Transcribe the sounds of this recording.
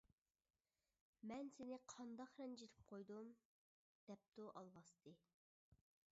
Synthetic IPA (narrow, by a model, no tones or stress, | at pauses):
mɛnsenɪqʰɑnd̪ɑχɾɛnd͡ʒet̪ʰɪ̥p̚qʰojd̪um | d̪̥ɛp̚t̪uʔɑlˠwɑst̪ʰɨ